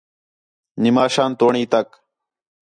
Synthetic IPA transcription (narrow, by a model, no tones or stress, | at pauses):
nɪmaːʃaːnt̪oːɳiːt̪ɐk